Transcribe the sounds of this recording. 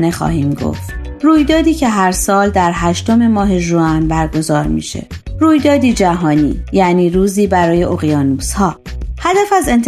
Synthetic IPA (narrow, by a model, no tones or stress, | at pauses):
ne̞xɒ̰ːhiːmɡo̰ft̪̚ | ruːjd̪ɒːd̪iːcʰe̞ɦæɾsɒːld̪æɾɦæʃt̪o̞me̞mɒːɦe̞ʒuænbæɾɡo̞zɒːɾmḭːʃe̞̰ | ruːjd̪ɒːd̪iːd͡ʒæɦɒːnḭːjæniːɾuːziːbæɾɒːje̞ʔoɣijɒːnuːshɒː | hæd̪æfæze̞nt̪ʰ